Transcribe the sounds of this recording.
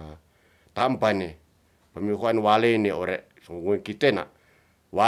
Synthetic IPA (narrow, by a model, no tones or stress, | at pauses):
t̪ampane | pəmiɦoanwaleneoɾeʔ | suŋŋukit̪ena̰ | wa